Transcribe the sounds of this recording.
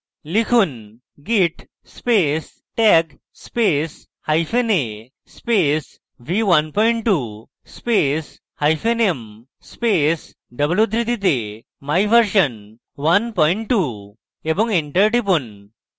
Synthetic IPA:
likʰun | ɡiʈ | spes | ʈɛk | spes | hajfʰene | spes | ʋiʋanpɔiɳʈʈu | spes | hajfʰenem | spes | ɖəbljud̪ɾid̪it̪̬e | majʋəɾɕən | ʋanpɔiɳʈʈːu | ebɔ̃ŋɡeɳʈəɾʈip̬un

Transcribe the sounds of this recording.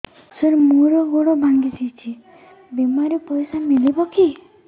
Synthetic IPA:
səɾmuɾɔɡoɽɔbʱaŋɡisit͡ʃʰi | bemaɾipɔjsamilibɔki

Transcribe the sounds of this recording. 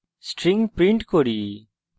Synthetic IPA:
sʈɾɪ̃ŋɡpɾɪ̃ɳʈkoɾiː

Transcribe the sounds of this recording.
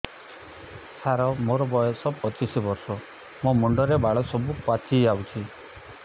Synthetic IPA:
saɾɔmoɾɔbɔjɔsɔbpɔt͡ʃisibɔɾsɔ | momɔɳɖɔɾebaɭɔsɔbukwat͡ʃʰiawt͡ʃʰi

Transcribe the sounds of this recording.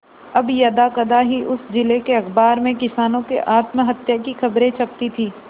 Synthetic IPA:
ɐbjɐd̪akɐd̪aɦiʔʊsd͡ʒɪlekeɐkbaːɾmẽkɪsaːnõkḛʔaːt̪məɦɐt̪jakixɐbɾẽt͡ʃʰɐp̚t̪it̪ʰiː

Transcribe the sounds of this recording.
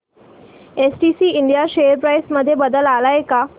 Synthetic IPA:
esʈisiːiɳɖjaɕejəɾpɾajsməd̪ʱːjebəd̪əlalaeka

